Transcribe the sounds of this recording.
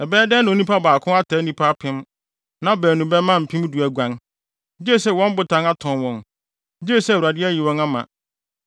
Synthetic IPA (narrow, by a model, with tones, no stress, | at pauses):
ɛ˨bɛː˦dɛ̃˦n˨o˨˦nĩ˦pa˦baː˨kʰʊ̃˦a˦tʰa˨˦nĩ˦pʰa˦pʰɪ̃˦m | nã˦bæː˨nũ˨bɛ˦mã˦m̩˨pʰĩ˦m˦du˨æ˨ɡʷã˨ŋ˦ | d͡ʑɪ˦e˦˨sɛ˦wɔ̃˦m˦bʊ˨tʰã˨ŋa˦tʰɔ̃˨nwɔ̃˨n | d͡ʑi˦e˦˨sɛ˦˨u˨a˨dɪ˦æ˦ji˨wɔ̃˦na˦mã̰˨